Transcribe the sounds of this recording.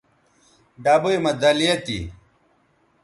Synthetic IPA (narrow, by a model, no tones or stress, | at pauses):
ɖabujmɐd̪ɐlijɐt̪ḭ